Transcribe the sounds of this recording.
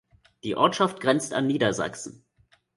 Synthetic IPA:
d̥iːʔɔɐtʃaft̚ɡ̥ʁɛnt͡sta̰nːiːdɐza̰ksn̩

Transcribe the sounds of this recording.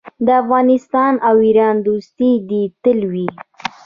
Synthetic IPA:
d̪əafɣɑnɪst̪ɑnawiɾɑnd̪ust̪id̪it̪əlwi

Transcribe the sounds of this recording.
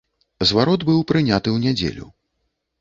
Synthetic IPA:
zvaɾɔd̪bɨwpɾɨnʲat̪ɨwnʲɛd͡zʲḛlʲṵ

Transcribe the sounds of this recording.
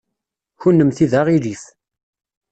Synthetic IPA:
çunːəmθiðaʁiliθ

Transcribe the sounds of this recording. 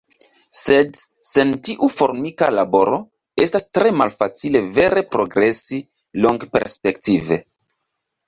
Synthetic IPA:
se̞dse̞ntiʔufo̞ɾmikalabo̞ɾo̞ | e̞stastɾe̞malfat͡sile̞ve̞ɾe̞pɾo̞ɡɾe̞si | loŋɡpe̞̰ɾspe̞ktive̞̰

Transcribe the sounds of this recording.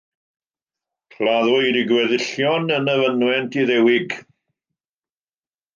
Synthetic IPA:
kʰlaðɔjɾɪɡwɛðɪɬjɔnənəvənwɛntʰiðɛwɪɡ

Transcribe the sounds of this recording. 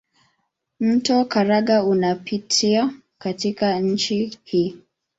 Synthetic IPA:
m̩tɔkaɾaɠaunapitʰia | katikaɲ̩t͡ʃihiː

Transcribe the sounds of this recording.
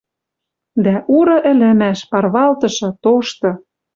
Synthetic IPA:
d̪æʔuɾɤ̆ʔɘ̆lɘ̆mæʃpɑrβɑlt̪ɤ̆ʃɤ̆t̪oʃt̪ɤ̆

